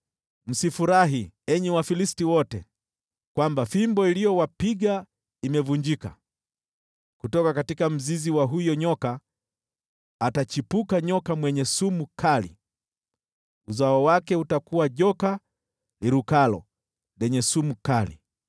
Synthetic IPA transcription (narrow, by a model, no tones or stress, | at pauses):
m̩sifuɾaɦiɛɲɛwafilistiwɔtɛ | kwambafimbɔilijɔwapiɠa | imɛvuɲd͡ʒika̰ | kutɔkakatikam̩ziziwaɦujɔɲɔka | tat͡ʃipukaɲɔkamwɛɲɛsumukʰalḭ | uzaɔwakɛutakuwaʄɔka | liɾukalɔ̰ | lɛɲɛsumukalḭ